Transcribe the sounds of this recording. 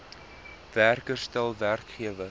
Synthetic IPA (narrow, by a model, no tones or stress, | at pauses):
værkərstælˠværkχiəvə